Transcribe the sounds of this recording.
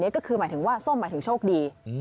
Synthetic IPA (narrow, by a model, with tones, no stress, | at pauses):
ni˦˥ɐkɔː˥˩kʰɯː˧maː˩˦jt̪ʰɯ˩˦ŋwaː˥˩so˥˩maː˩˦jt̪ɯ˩˦ŋt͡ɕʰoː˥˩k̚diː˧